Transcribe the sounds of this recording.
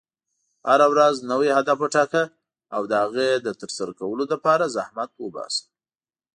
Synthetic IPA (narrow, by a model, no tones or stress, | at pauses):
haɾawɾaznəwehad̪afəʈɑka | awd̪əhaɣed̪ət̪əɾsaɾakawəloləpɑɾazahmat̪wəbɑ̰sə̥